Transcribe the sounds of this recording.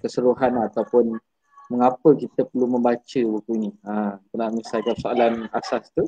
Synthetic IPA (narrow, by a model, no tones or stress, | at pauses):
kəsəɾuɦanat̪awpʊn | məŋapəkit̪əpəlumə̃mbat͡ʃəbukuiniat̪ənaʔmisalkanpəsoalanasast̪u